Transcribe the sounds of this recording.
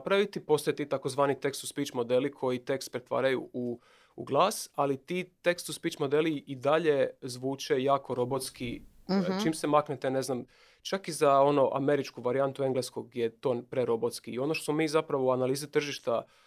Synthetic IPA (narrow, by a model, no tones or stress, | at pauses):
pɾaʋit̪ipo̞st̪oet̪iːt̪akozʋaːnit̪e̞kst̪uspit͡ʃmo̞d̪e̞likʰo̞jit̪e̞kst̪̚pɾe̞t̪ʋa̰ːɾajuṵː | ɡlˠaːsalit̪it̪e̞kst̪uspit͡ʃmo̞d̪eliid̪aʎe̞zʋuːt͡ʃe̞jaːko̞ɾo̞bo̞t̪ski | t͡ʃiːmsemaknet̪ene̞znam | t͡ʃakizao̞no̞ʔa̰me̞ɾit͡ʃkuʋaɾiant̪ue̞ŋɡleskoɡdjet̪o̞ːpɾeɾo̞bo̞t̪skiːo̞noʃt̪osmomiːzapɾaʋouanaliːzit̪r̩ʒiʃt̪a